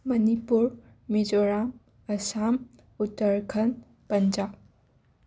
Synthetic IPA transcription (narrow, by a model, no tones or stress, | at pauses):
mɐnipuɾ | mid͡ʒɔɾam | ɐsam | utːəɾkʰɐn | pɐnd͡ʒa